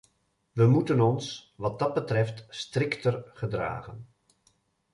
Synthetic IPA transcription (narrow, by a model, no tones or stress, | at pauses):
ʋəmutənɔnsʋɑt̚dɑd̚bətrɛftstrɪktərχədra̰ːχən